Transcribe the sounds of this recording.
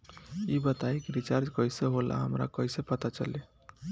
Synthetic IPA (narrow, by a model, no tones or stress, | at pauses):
ibət̪ajekiɾit͡ʃaɾd͡ʒkəjseɦolʔa̰ɦəmɾa̰kəisepət̪at͡ʃə̰le